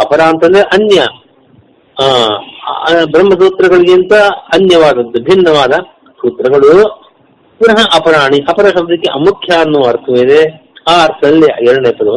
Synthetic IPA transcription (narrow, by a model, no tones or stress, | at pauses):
ɐpɐɾaːɐnt̪ɐnd̪ɐɾeʔɐnjɐ | bɾɐmːɐs̬uːt̪ɾɐɡɐɭiɡint̪ɐɐnjɐʋaːd̪ɐd̪ɐbʱinːɐʋaːd̪ɐ | suːt̪ɾɐɡɐɭu | buɾɐɦɐʔɐpɐɾaːɳiʔɐpɐɾɐʂɐb̚d̪ikːeʔɐmukʰjaːnːuːɐɾt̪ʰɐmeːd̪eaːɐɾt̪ʰɐɐlːiɛɾɽɐɳeːpɐd̪ɐ